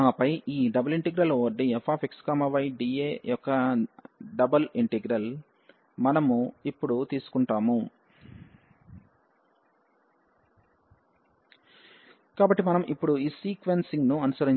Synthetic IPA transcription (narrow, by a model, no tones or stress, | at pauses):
aːpɐjʔiːɖɐbɐliɳʈeɡɾɐloːɖiefʰaːpekskaːmɐʋɐjɖiːeːjɔkːɐ | ɖɐbɐliɳʈeɡɾɐl | mɐnɐmuipːuɽut̪iːsu̥kuɳʈaːmu | kaːbɐʈːimɐnɐmʔipːuɽuiːsiːkʋensiŋɡnuɐnusɐɾi